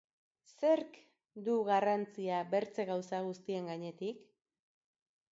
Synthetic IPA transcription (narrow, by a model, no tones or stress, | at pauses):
se̞ɾk | d̪uɣarant͡siaβe̞ɾt͡se̞ɣawsaɣ̞ust̪ie̞ŋɡaɲe̞t̪ik